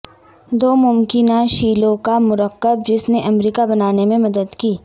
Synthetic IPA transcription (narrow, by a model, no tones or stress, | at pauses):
d̪oːmʊmkɪnaʃiːlõkamʊɾəqːəb̚d͡ʒɪsneʔɐmɾiːkabɐnaːnemẽmɐd̪əd̪kiː